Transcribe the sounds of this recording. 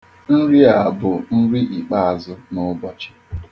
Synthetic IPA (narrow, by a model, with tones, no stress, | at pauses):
n̩˦ɾi˦a˨bʊ˨n̩˦ɾi˦ʔi˨k͡pa˦a˨zʊ˦nʊ˦bɔ˨t͡ʃɪ̥˦